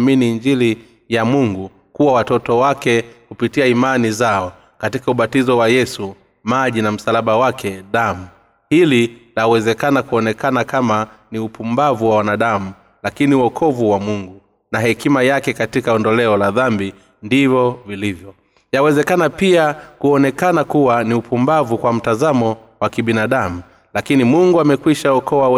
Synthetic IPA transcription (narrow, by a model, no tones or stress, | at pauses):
miniːɲd͡ʒili | jamuŋɡu | kuwawatɔtɔwakɛkupitiaimanizaɔ | katikauɓatizɔwajɛsu | maʄinam̩salaɓawakʰɛɗamu | hililawɛzɛkanakuɔnɛkanakamaniupumbavuwawanaɗamu | lakiniwɔkʰɔvuwamuŋɡu | nahɛkimajakɛkatikaɔndɔlɛɔlaðambi | ndivɔvilivjɔ | jawɛzɛkanapiakuɔnɛkanakuwaniupumbavukwam̩tazamɔ | wakiɓinaɗamu | lakinimuŋɡuamɛkwiʃaɔkɔwaɛ